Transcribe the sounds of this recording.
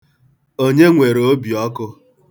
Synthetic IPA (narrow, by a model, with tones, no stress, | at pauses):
o˦ɲe˦ŋʷe˨ɾo˦bi˨ɔ˦kʊ˦